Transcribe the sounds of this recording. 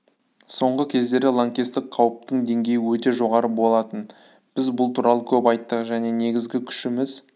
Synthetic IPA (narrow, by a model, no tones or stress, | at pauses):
so̞ɴʁəkʲʰe̞zd̪e̞ɾɪlˠoŋkʲest̪ɪk̚qʰɑwəp̚t̪əɴd̪e̞ŋɡʲe̞jɪwɵt̪e̞ʒo̞ʁɑɾəbo̞lˠɑt̪ən | b̥ɪzbʊlˠt̪ʰuɾɑlˠəkʲʰɵpɑjt̪ːəqʒæne̞ne̞ɡʲɪzɡʲɪkʲʰʏ̥ʃɪmɪz